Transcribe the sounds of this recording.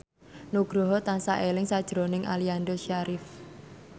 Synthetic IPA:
nuɡ̥ɾɔɦɔt̪ansaʔelɪŋsad̥ʒ̥ɾonɪŋʔa̰liand̪ɔʃaɾɪf

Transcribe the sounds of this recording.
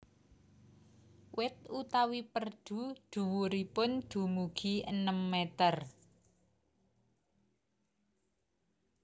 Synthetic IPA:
wɪt̪̚ut̪awipərd̪̥ṳd̪̥ṳwuɾipʊnd̪̥ṳmuɡ̥iənəmːet̪ər

